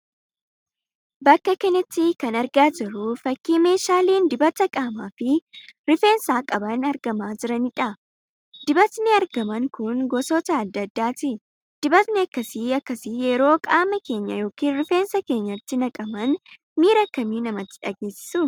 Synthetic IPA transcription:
bɐkːɐkɛnɪt̪ːɪkɐnɐɾɡaːd͡ʒɪɾʊfɐkːiːme̞ːʃaːleːnd̪ɪbɐt̪ɐkʼaːmaːfɪɾɪfe̞ːnsaːkʼɐbɐnɐɾɡɐmaːd͡ʒɪɾɐnɪᶑɐ | d̪ɪbɐt̪nɪɐɾɡɐmɐŋkʊnɡɔsɔt̪ɐːd̪ːɐd̪ːaːt̪ɪ | d̪̥ɪbɐt̪nɛɐkːɐsiːɐkːɐsijɛɾo̞ːkʼaːmɐke̞ːɲːɐjo̞ːkiːnɾɪfe̞ːnsɐke̞ːɲːɐt̪ːɪnɐkʼɐmɐn | miːɾɐkːɐmiːnɐmɐt̪ːɪ̥ᶑɐɡe̞ːsːɪ̥sʊ

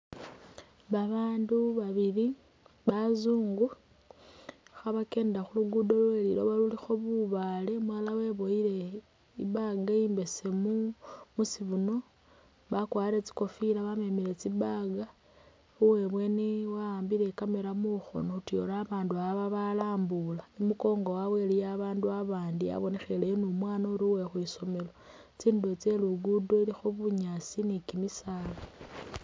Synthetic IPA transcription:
βaβaːnduβaβili | βazuːŋɡu | xaβake̞ːndaxuluɡudo̞lweliɾo̞βalulixo̞βuβale̞mwalawe̞βo̞iɾe̞ | ḭβaɡaiːmbe̞se̞mumusiβuno̞ | βakwaːɾe̞t͡si̥ko̞fiɾaβame̞miɾe̞t͡sibaɡa | uwe̞βwe̞niwaaːmbile̞kameɾamuxo̞̰noutio̞laːβaːnduaβaβalaːmbulaemuko̞ːŋɡowawe̞lijaβaːnduaβaːndia̰βo̞ne̞xelenumwaːnauɾiwexwiso̞me̞lo̞ | t͡siːndot͡seluɡudo̞ilixuβuuɲasinikimisala

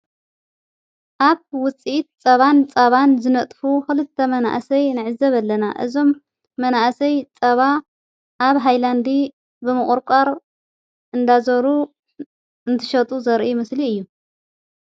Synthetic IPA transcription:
ʔaβwʊt͡sʼit̪̚t͡sʼɐβant͡sʼɐβanzɨnɐt̪ʼfuxɨlɨt̪ʰːɐmɐna̰ʔsɐjnɨʕɨzɐβɐlːɐnaʔɨ̰zo̞mː | ɐnaʔsɐjt͡sʼɐβa | ʔːβɦajland̪i | bɨmɨχʼʊɾkʷʼaɾ | ʔɨnd̪azɐɾu | ɨnt̪ʰɨ̥ʃɐt̪ʼuzɐɾʔimɨsliɨjːu

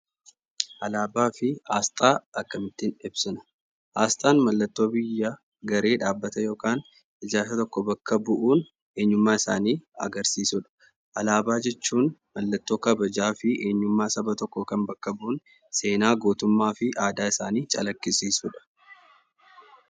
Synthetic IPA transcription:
ʔɐlaːbaːfɪʔaːst̪ʼaːɐkːɐmɪt̪ːɪnɪbsɪnɐ̥ | ʔaːst̪ʼaːnmɐlːɐt̪ːo̞ːbɪjːɐ | ɡɐɾe̞ːᶑaːbːɐt̪ɐjo̞ːkaːn | ɪd͡ʒaːfɐt̪ɔkːɔbɐkːɐbʊʔuːn | eːɲːʊmːaːɪsa̰ːniːɐ̰ɡɐɾsiːsʊᶑɐ̥ | ʔɐlaːbaːd͡ʒɛt͡ʃːuːnmɐlːɐt̪ːo̞ːkɐbɐd͡ʒaːfɪʔeːɲːʊmːaːsɐbɐt̪ɔkːɔkɐmbɐkːɐbʊʔʊn | se̞ːnaːɡo̞ːt̪ʊmːaːfɪʔaːd̪aːɪsaːniːt͡ʃʼɐlɐkːɪsiːsʊᶑɐ̥

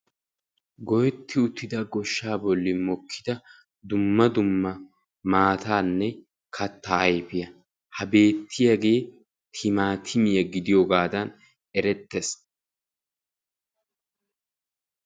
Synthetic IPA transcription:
ɡɔjɛt̪ʰːɪʊt̪ːɪd̪ɐɡɔʃːaːbɔlːɪmɔkʰːɪd̪ɐ | d̪ʊmːɐd̪ʊmːɐ | maːt̪aːnːɛ | kʰɐt̪ːaɐjpɪjɐ | hɐbe̞ːt̪ʰːɪjɐɡe̞ː | t̪ʰɪmaːt̪ʰɪmɪjɐɡɪd̪ɪjoːɡaːd̪ɐn | ɛɾɛt̪ːes

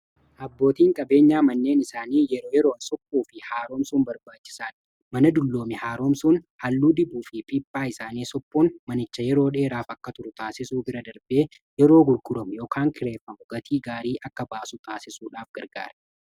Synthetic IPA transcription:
ʔɐbːo̞ːt̪iːŋkʼɐbe̞ːɲːaːmɐnːe̞ːnɪsaːniːjɛɾo̞ːjɛɾo̞ːnsɔpːuːfɪhaːɾo̞ːmsuːnbɐɾbaːt͡ʃːɪ̥saːn | mɐnɐd̪ʊlːoːmɪhaːɾo̞ːmsuːnhɐlːuːd̪ɪbuːfɪpiːpːaːɪsaːniːsɔpːonmɐnɪt͡ʃːɐjɛɾo̞ːᶑe̞ːɾaːfɐkːɐt̪ʊɾʊt̪aːsɪsuːbɪɾɐd̪ɐɾbe̞ː | jɛɾo̞ːɡʊɾɡʊɾɐmʊjo̞ːkʰaːŋkʰɪɾe̞ːfːɐmʊɡɐt̪ʰiːɡaːɾiːʔɐkːɐbaːsʊt̪aːsɪsuːᶑaːfɡ̥ɐɾɡa̰ːɾɐ̥

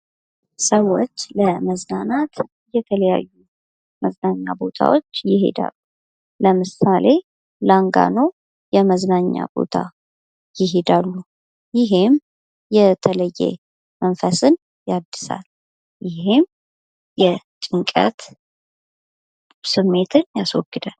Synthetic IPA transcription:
səwo̞t͡ʃːləməznanat̪ | jɛt̪ʰələja̰jːu | məznaɲːabo̞t̪ʰa̰wot͡ʃːjɪɦe̞̰d̪a̰lːu | ləmɨsale̞ | laŋɡa̰no | jɛməznaɲːa̰b̥o̞̰t̪ʰa | jɪɦe̞d̪alːu | jɪɦem | jɛt̪ʰələjːḛ | mənfəsɨn | jad̪ːɨsa̰l | jɪhem | jɛt͡ʃʼɨŋkʼə̰t̪ | sɨmːe̞t̪ʰɨnjaswɔɡːɨd̪al

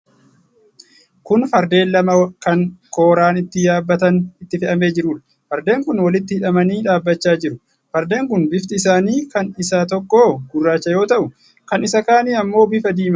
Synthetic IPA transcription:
kʊnfɐɾd̪e̞ːnlɐmɐkɐŋko̞ːɾaːnɪt̪ːɪjaːbːɐt̪ɐnɪt̪ːɪfɛʔɐme̞ːd͡ʒɪɾuːᶑɐ̥ | fɐɾd̪e̞ːŋkʊnwɐlɪt̪ːɪhɪᶑɐmɐniːᶑaːbːɐt͡ʃːaːd͡ʒɪɾʊ | fɐɾd̪e̞ːŋkʊnbɪft̪ɪɪsaːniːkɐnɪsaːt̪ɔkːo̞ːɡʊrːaːt͡ʃːɐjo̞ːt̪ɐʔʊ | kɐnɪsɐkaːniːɐmːo̞ːbɪfɐd̪iːmɐ

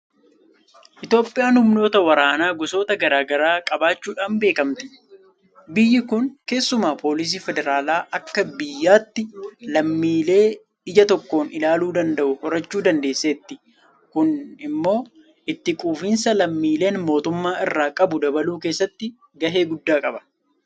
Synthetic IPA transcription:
ʔɪt̪jo̞ːpʼːɪʔjaːnhʊmno̞ːt̪ɐwɐɾaːnaːɡʊso̞ːt̪ɐɡɐɾaːɡɐɾaːkʼɐbaːt͡ʃːuːᶑaːnbe̞ːkɐmt̪ɪ̥ | bɪjːɪkʊnke̞ːsːʊmaːpo̞ːlɪs̬iːfɛd̪ɛɾaːlaːʔɐkːɐbɪjːaːt̪ːɪlɐmːiːle̞ː | ɪd͡ʒɐt̪ɔkːoːnɪlaːluːd̪ɐnd̪ɐʔʊhɔɾɐt͡ʃːuːd̪ɐnd̪e̞ːsːeːt̪ːɪ | kʊnɪmːo̞ː | ʔɪt̪ːɪkʼuːfiːnsɐlɐmːiːle̞ːnmo̞ːt̪ʊmːaːʔɪrːaːkʼɐbʊd̪ɐbɐluːke̞ːsːɐt̪ːɪ | ɡɐɦe̞ːɡʊd̪ːaːkʼɐbɐ̥

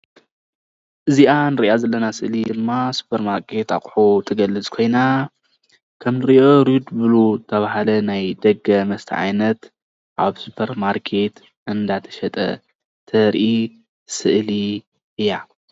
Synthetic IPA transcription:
ʔɨziʔanɨɾɨʔazɐlːɐnasɨʔlid̪ɨmːasu̥pʰɐɾmaɾkʰe̞t̪a̰χʼħot̪ʰɐɡɐlːɨt͡sʼkʰo̞jna | kʰɐmnɨɾiʔoɾud̪bɨlot̪ʰɐβahalɐnajd̪ɐɡɐmɐst̪ʰɐ̰ʕa̰jnɐt̪ | ʔaβsupʰɐɾmaɾkʰe̞t̪ | ʔɨnd̪at̪ʰɐ̥ʃɐt̪ʼɐ̰ | t̪ʰɐɾʔi | sɨʔli | ʔɨja

